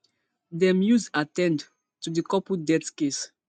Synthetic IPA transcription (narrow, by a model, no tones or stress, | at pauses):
dɛmjuzatɛ̃nd | tudəkɔpudɛtkes